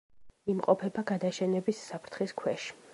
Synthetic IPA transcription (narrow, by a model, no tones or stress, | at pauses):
imqʼɔpʰɛbaɡad̪aʃɛnɛbisːapʰɾt̪ʰχiskʰwɛʃi̥